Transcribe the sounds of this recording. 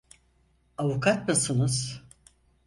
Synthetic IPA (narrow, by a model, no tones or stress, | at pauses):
avukʰat̪̚mɯsɯnɯz̥